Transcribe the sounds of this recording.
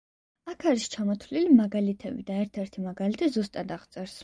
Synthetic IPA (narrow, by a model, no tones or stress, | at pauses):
akʰaɾist͡ʃʰamɔt̪ʰlilimaɡalit̪ʰɛbḭd̪aɛɾt̪ʰɛɾt̪ʰimaɡalit̪ʰɛzust̪ʼad̪aʁt̪sʼɛɾs